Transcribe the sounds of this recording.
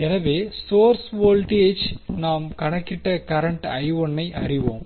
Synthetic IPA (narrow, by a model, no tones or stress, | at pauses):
ɛnɐʋeːsoːɾsʋoːlʈieːd͡ʒnaːmkɐɳɐkːɪʈːɐkɐɾɐɳʈɐjʋɔɳːɐɪʔɐ̰rɪʋoːm